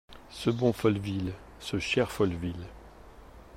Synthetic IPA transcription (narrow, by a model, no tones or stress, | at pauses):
səbɔ̃fɔlvil | səʃɛʁfɔlvil